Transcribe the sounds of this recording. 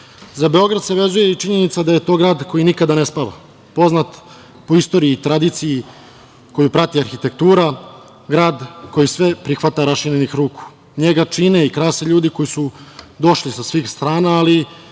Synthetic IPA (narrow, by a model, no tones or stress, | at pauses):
zabe̞o̞ɡɾad̪se̞ʋe̞zuje̞it͡ʃiɲe̞nit̪sad̪aje̞t̪o̞ːɡɾaːd̪ko̞jinikad̪anespaʋa̰ | po̞znat̪ | po̞ist̪o̞ːɾiiːt̪ɾad̪it̪siji | ko̞jupɾat̪iaɾxit̪e̞k̚t̪uːɾa | ɡɾaːd̪ko̞jisʋe̞pɾixʋat̪aɾaʃiɾenixɾuːku̥ | ɲeɡat͡ʃineikɾaːseʎuːd̪iko̞jisud̪o̞ʃlisasʋiːxst̪ɾaːnaːli